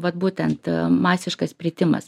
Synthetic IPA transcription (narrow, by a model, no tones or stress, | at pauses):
ʋɐt̪buːt̪ʲɛnt̪mɑːsʲɪʃkɐspʲɾʲɪt̪ʲɪmɐ̰s